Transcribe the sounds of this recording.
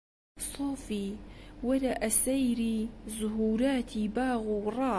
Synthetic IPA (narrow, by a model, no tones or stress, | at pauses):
sˤoːfiːwalaʔasajɾiːzʊɦuːɾaːt̪ʰiːbaːɣuːrˤɑː